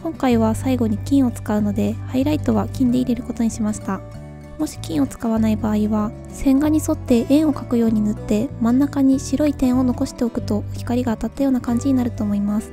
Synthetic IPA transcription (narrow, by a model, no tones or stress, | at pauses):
kõ̞ŋkaiβ̞asaiɡo̞ɲ̟ikʲĩɰ̃o̞t͡sɨ̥kaɯ̟no̞d̪e̞haiɾait̪o̞β̞akʲĩnd̪e̞iɾe̞ɾɯ̟ko̞t̪o̞ɲ̟iɕimaɕi̥t̪a | mo̞ɕi̥kʲĩɰ̃o̞t͡sɨ̥kaβ̞anaibaːiβa | sẽ̞ŋɡaɲ̟iso̞t̪ːe̞ʔẽ̞ɰ̃o̞kakɯ̟jo̞ːɲ̟inɯt̪ːe̞mãnːakaɲ̟iɕiɾo̞it̪ẽ̞ɰ̃o̞no̞ko̞ɕi̥t̪e̞o̞kɯ̟t̪o̞çi̥kaɾʲiɡaːt̪at̪ːajo̞ːnakãɲ̟d͡ʑiɲ̟inaɾɯ̟t̪o̞ːmo̞imasɨ̥